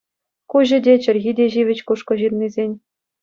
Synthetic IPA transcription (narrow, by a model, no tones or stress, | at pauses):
kuʑɘ̆dʲet͡ɕɘ̆rʲɣʲidʲeʑiʋʲɘ̆t͡ɕkuʂkɤ̆ʑirnizʲenʲ